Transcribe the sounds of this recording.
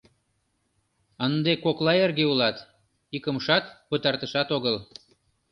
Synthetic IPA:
ənd̪ekoklɑerɣeulɑt̪ | ikəmʃɑt̪pət̪ɑrt̪əʃɑt̪oɣəl

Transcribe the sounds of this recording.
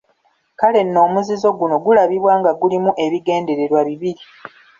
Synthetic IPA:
kale̞nːo̞ːmuzizo̞ɡuno̞ɡulaβiβwaːŋɡaɡulimuʔe̞βiɡe̞ːnde̞ɾe̞ɾwaβiβiɾi

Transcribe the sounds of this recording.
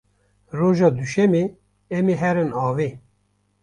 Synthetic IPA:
roːʒɑːd̪uʃɛme | ɛmiɦɛɾɨnɑːveː

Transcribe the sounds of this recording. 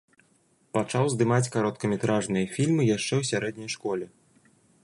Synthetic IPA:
pat͡ʂawzd̪ɨmat͡sʲkaɾɔt̪kɐmʲɛt̪ɾaʐnɨjɐfʲilʲmɨjaʂt͡ʂɛwsʲaɾɛd̪̚nʲɐjʂkɔlʲɛ

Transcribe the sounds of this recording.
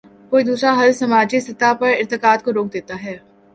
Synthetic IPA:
koːid̪uːsɾaɦɐlsɐmaːd͡ʒist̪ɪt̪apɐɾɪɾt̪ɪkaːd̪koɾoːk̚d̪eːt̪aɦɛː

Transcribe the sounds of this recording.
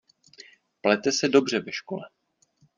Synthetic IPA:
plɛt̪ɛsɛdo̞br̝ɛvɛʃkolɛ

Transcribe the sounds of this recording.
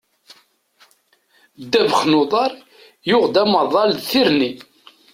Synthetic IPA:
d̪ːævəχnʊðˤɑɾˤ | jʊʁd̪æmɑðˤɑlθiɾni

